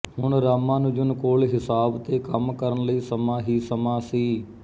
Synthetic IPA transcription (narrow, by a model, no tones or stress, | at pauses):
hʊɳɾaːmãːnʊ̃ːd͡ʒʊnkoːlɦɪsaːbt̪eːkəmkəɾənləiːsəmãːɦiːsəmãːsiː